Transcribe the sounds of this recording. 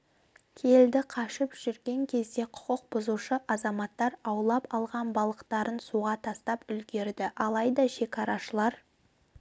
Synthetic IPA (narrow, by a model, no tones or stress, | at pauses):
kʲʰe̞ld̪ɪqʰɑʃɪpʒ̥ʏɾɡʲe̞ŋkʲʰe̞zd̪e̞qʰʊ̥qəq̚bʊzuʃəʔɑzɑmɑt̪ːɑɾɑwlˠɑpɑlˠʁɑnbɑlˠəqt̪ɑɾənsuʁɑt̪ʰɑst̪ɑpʏlɡʲe̞ɾd̪ɪʔɑlˠɑjd̪ɑʃe̞kɑɾɑʃəlˠɑɾ